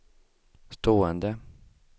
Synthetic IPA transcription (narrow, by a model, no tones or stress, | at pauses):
st̪oːɛnd̪ə